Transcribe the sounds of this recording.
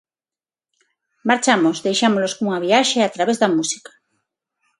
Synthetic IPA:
maɾt͡ʃamozðejʃamoloskuŋaβ̞iaʃeat̪ɾaβezðamusi̥kḁ

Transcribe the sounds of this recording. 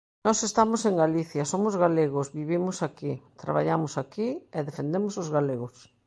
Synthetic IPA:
nɔsest̪amoseŋɡaliθjasomozɣaleɣ̞ozβiβimosakit̪ɾa̰βa̰ʎamosakieðefẽnd̪emosozɣaleɣos

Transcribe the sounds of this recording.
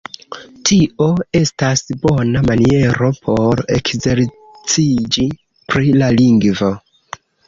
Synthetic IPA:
tʰiʔo̞e̞stasbo̞namanie̞ɾo̞pʰo̞ɾe̞̰kze̞ɾ | t͡sid͡ʒi | pɾilaliŋɡvo̞

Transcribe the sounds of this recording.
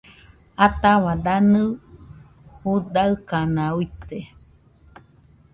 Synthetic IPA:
at̪aβad̪anɨ | hud̪aɨkanãuit̪e

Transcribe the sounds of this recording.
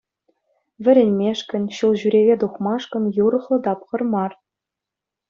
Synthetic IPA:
ʋʲɘ̆ɾʲenʲmʲeʂkʲɘ̆nʲɕulˠʑyɾʲeʋʲed̪uχmɑʂkɤ̆nʲjuɾɤ̆χlˠɤ̆d̪ɑpχɤ̆rmɑr

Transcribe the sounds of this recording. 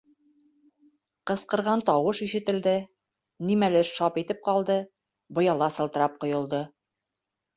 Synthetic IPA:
qɤ̆sqɤ̆ɾʁɑnt̪ɒwɤʃiʃɘ̆t̪ɘ̆ld̪ɘ | nimælɘʃɑpit̪ɘp̚qɑlˠd̪ɤ | bŏjɑlˠɑsɤ̆lˠt̪ɤ̆ɾɑp̚qŏjŏlˠd̪ɤ

